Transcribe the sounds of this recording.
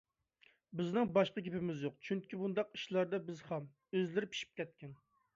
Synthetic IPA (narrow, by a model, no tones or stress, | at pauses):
bɪznɨŋbɑʃqəkʲʰepɪmɪzjoqt͡ʃʰyŋkʲibund̪ɑqi̥ʃlˠɑɾd̪ɑbɪzχɛm | øzlɪɾɪpʰi̥ʃi̥p̚kʲʰɛt̪̚kʲɛn